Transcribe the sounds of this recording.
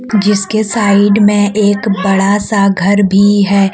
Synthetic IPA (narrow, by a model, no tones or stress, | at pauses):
d͡ʒɪskesaːɪɖmẽʔeːkbɐɽasaɡʱɐɾbʱiɦɛː